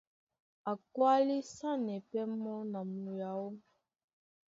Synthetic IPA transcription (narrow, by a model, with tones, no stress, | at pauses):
a˨kwa˦li˦sa˦nɛ˨pɛ˦mɔ˦na˨mu˨ja˨˦o˦